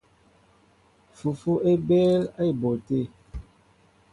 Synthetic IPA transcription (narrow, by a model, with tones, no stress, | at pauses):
fu˨fu˦ʔe˦bɛ˦la˦i˨bo˨te˦˨